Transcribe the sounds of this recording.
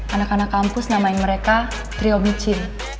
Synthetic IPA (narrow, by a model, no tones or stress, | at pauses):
ʔanakanakːampʊsnamaiŋməɾeka | t̪ɾiomit͡ʃɪl